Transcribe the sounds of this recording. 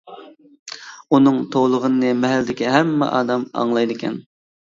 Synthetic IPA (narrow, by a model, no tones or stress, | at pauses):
unɨŋt̪ʰowlˠəʁənɨnɨmɛɦæld̪ɪkʲiɦɛmːɛ̰ʔɑ̰ːd̪ɑmɑ̰ŋlˠɑjd̪ɨkʲʰɛ̰n